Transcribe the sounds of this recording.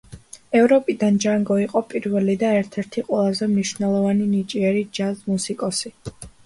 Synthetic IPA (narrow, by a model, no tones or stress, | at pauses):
ɛvɾɔpʼid̪and͡ʒaŋɡɔiqʼɔpʼiɾvɛlid̪aɛɾt̪ʰɛɾt̪ʰiqʼwɛlˠazɛmniʃvnɛlˠɔvaninit͡ʃʼiɛɾid͡ʒazmusikʼɔsi